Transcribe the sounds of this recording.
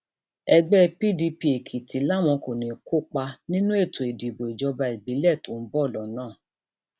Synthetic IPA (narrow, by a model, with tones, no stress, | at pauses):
ɛ˧ɡ͡bɛ˦pi˦˨di˧pi˧˦e˨kʰi˨tʰi˨˦la˦˨mɔ̃˧ko˨nĩ˨kʰo˦k͡pa˧nĩ˦nũ˦e˦˨to˨e˨di˨bo˨i˨d͡ʒɔ˧ba˧i˨bi˨˦lɛ˦˨tu˨n̩˦bɔ˦˨lɔ˨nãː˦˨